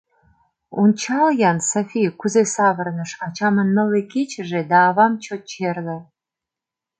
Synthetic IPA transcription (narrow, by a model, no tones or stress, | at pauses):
unt͡ʃʰɑljɑnsafʲijkʰuzesɑvərnəʂɑt͡ʃʰɑmənməlekʲʰet͡ʃʰəʒed̪ɑːvɑmt͡ʃʰot͡ʃʰerlə